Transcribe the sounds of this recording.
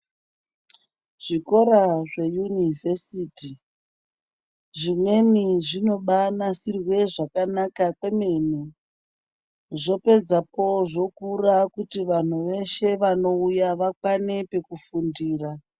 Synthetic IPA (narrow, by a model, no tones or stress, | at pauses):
ʐ̥iko̞ɾaʐe̞junivesiti | ʐimwe̞niʐino̞ɓanasirwe̞ʐakanakakwe̞meni | ʐo̞pe̞d͡zapo̞ʐo̞kurakutiʋan̤uʋe̞ʃe̞ʋano̞ujaʋakwane̞pe̞kufundiːra